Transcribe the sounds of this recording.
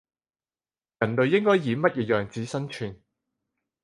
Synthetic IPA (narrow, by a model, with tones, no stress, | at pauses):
jɐ˨˩nlɵ˨ɥjɪ˥ŋkɔː˥jːiː˨˧mɐ˥t̚jɛː˨˧jœː˨ŋt͡siː˨˥sɐ˥nt͡ʃʰyː˨˩n